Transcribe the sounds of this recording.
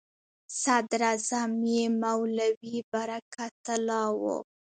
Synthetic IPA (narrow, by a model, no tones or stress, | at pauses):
sad̪ɾazamjemawlawibaɾakat̪əlɑwo̰